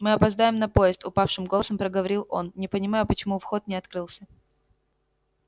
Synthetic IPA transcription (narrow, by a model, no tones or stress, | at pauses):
mɨɐpɐzd̪ajɪmnɐpo̞jɪst̪ʊpafʂɨmɡoəsəmpɾəɡəvɐɾʲilˠʔo̞nnʲɪpənʲɪmajʊpət͡ɕɪmufxo̞t̪̚nʲɪɐt̪kɾɨlˠsʲə